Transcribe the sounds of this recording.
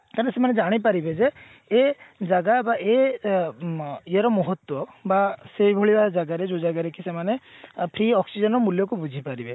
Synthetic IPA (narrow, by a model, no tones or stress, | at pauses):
kaɾ̃esemaned͡ʒaɽ̃ipaɾibed͡ʒeː | d͡ʒaɡabaʔe | ieɾɔmɔɦɔt̪wɔbaseibʱoɭibad͡ʒaɡaɾed͡ʒod͡ʒaɡaɾekisemanepʰɾiɔksid͡ʒɔnɔmuljɔk̬ubud͡ʒʱipaɾibe